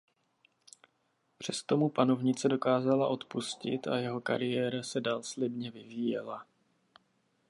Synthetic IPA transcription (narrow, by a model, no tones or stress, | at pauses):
pr̝̥ɛst̪o̞mupano̞vɲɪt͡sɛdo̞kaːzalaʔo̞t̪puscɪ̰t̪a̰jɛɦo̞ka̰ɾɪjɛːɾasɛdaːlslɪbɲɛvɪviːjɛla